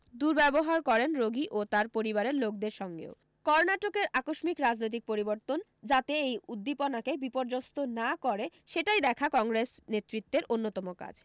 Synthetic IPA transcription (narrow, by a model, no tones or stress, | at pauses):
d̪uɾbɛboɦaɾkɔɾenɾoɡiʔot̪aɾpoɾibaɾeɾlok̚d̪eɾʃɔŋɡḛo | kɔɾnaʈokeɾakoʃmikɾad͡ʑnojt̪ik̚poɾiboɾt̪on | d͡ʑat̪eejud̪ːiponakebipoɾd͡ʑost̪onakɔɾeʃeʈajd̪ɛkʰakɔŋɾesnet̪ːɾit̪ːeɾʔonːot̪ɔmoka̰d͡ʑ